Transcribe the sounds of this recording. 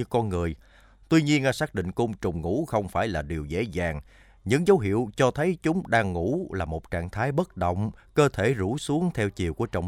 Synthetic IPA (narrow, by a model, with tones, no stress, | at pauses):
ɨ˧kɔ˧nŋɨ˨˩əj | t̪wi˧ɲi˧ənaː˧saː˦˥k̚ɗḭ˧˨ŋ̟kʊ˧ŋ͡mt͡ɕʊ˨˩ŋ͡mŋṵ˧˥xə˧wŋ͡mfaː˧˩jlaː˨˩ɗi˨˩əwzḛ˧˥zaː˨˩ŋ | ɲɨ̰˧˥ŋzə˨˦wɦḭ˧˨əwt͡ɕɔ˧t̪ʰə˨˦jt͡ɕʊ˨˦ŋ͡mɗaː˧ŋːṵ˧˥laː˨˩mo˨˩t̚t͡ɕaː˧˨ŋt̪ʰaː˨˦jɓə˦˥t̚ɗə̰˧˨wŋ͡mkəː˧t̪ʰe˧˩zu˧˥su˨˦əŋt̪ʰɛ˧wt͡ɕi˨˩əwku˧˩ət͡ɕɔ̰˧˨w